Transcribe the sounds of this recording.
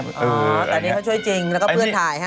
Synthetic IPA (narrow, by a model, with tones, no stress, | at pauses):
ʔɔː˧˦˧t̪ɔː˧nːiː˦˥a˥˩t͡ɕʰu˥˩jt͡ɕi˧ŋlɛː˦˥wkʰɔ˥˩˧pʰɯ˥˩ənt̪ʰaː˨˩˦jha˦˥